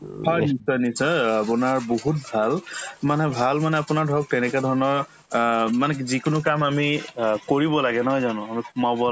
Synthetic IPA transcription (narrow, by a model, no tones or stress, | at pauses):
hɔjnisɔnisɔapunaɹboɦut̚bʱalmanɛbʱalmanɛapʊnaɹdʱɔɔk̚tɛnɛkɛdʱɔɹnɔɹ | manɛkzikʊnʊkamamikoɹibɔlaɡɛnɔɦɔjzanʊ̃amikʰumabɔ